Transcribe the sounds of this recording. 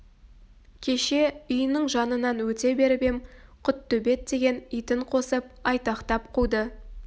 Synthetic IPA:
kʲʰe̞ʃe̞ʏjənəɴʒɑnənɑnwɵt̪e̞be̞ɾbe̞mqʰʊt̪ːɵbe̞t̪d̪e̞ɡʲe̞nijt̪ɪɴqʰo̞səp̚ɑjt̪ɑqt̪ɑp̚qʰujd̪ə

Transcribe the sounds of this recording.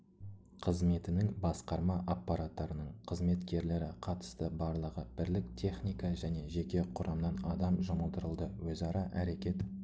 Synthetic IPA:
qʰəzme̞t̪ɪnɪŋbɑsqɑɾmɑʔapːɑɾat̪ːɑɾənəɴqʰəzme̞t̪kʲe̞ɾle̞ɾɪqʰɑt̪ə̥st̪əbɑɾlˠəʁəb̥ɪɾlɪk̚t̪ʰe̞χnijkɑʒæne̞ʒe̞kʲe̞qʰʊɾʔɑmnɑnɑd̪ɑmʒʊməlˠd̪əɾəlˠd̪əwɵzɑɾɑʔæɾe̞kʲe̞t̪

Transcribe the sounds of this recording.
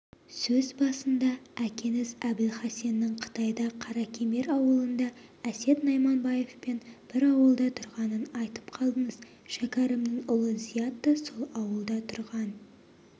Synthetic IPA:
sɵzbɑsənd̪ɑækʲe̞nɪzæb̪ɪlχɑse̞nːɪŋqʰə̥t̪ɑjd̪ɑqʰɑɾɑkʲʰeme̞ɾɑwəlˠənd̪ɑæse̞t̪nɑjmɑnbɑje̞fpe̞nb̥ɪɾɑwəlˠd̪ɑt̪ʰʊɾʁɑnənɑjt̪ə̥pqʰɑlˠd̪əɴəz | ʃækʲɑɾəmnɪŋʊlˠəzijat̪ːəsolˠɑwəlˠd̪ɑt̪ʰʊɾʁɑn

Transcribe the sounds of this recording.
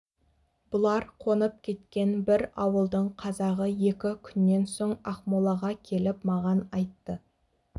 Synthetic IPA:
b̥ʊlˠɑɾqʰo̞nəp̚kʲʰe̞t̪kʲe̞nbɪɾɑwəlˠd̪əɴqʰɑzɑʁəje̞kʲɪkʲʰʏnːe̞nso̞ɴɑqmolˠɑʁɑkʲʰe̞lɪpmɑʁɑnɑjt̪ːə

